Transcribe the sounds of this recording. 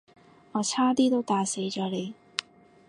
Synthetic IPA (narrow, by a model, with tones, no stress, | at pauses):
ŋɔː˨˧t͡sʰaː˥t̪iː˥t̪o˥wt̪aː˨˧se˨˥jt͡ʃɔː˨˥le˨˧j